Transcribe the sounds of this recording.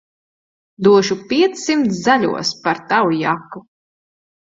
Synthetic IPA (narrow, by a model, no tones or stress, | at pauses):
d̪uɔʃupʲiɛt̪sːimt̪szalʲṵɔspaɾt̪awujakːu